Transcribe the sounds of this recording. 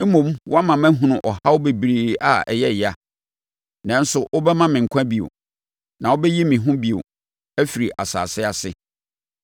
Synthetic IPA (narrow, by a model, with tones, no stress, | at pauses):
m̩˦mõ˨m˦wʔɔ˦a˦mã˨mæ̃˦ɦũ˨nʊ̃˦˨ʔɔ˨ha˦ʊ˦be˨bɾiː˦a̰˨ɛ̰˨jɛ˦˨ja˨ | nã˨n̩˦sʊ˨ʔʊ˦bɛ˦mã˦mɪ̃˨ŋ̩˨kʷʰã˦bi˨o̰˨ | nã˨wo˦bɛ˦ji˦mĩ˨ɦʊ̃˦bi˨o̰˨ | æ˦fi˨ɾi˨ʔa̰˨sa̰ː˨sɪ˦a˨sɪ˦